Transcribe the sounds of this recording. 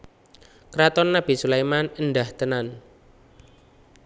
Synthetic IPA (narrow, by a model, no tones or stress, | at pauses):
kɾat̪ɔnːab̥i̤sulejmanənɖaht̪ənan